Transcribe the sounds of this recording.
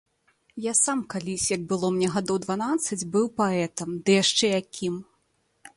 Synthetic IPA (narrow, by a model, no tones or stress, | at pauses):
jasamkalʲisʲjɐɡ̚bɨlˠɔmnʲɛɣad̪ɔwd̪vanat̪sːɐd͡zʲbɨwpaɛt̪ɐmd̪ɨjaʂt͡ʂɛjakʲim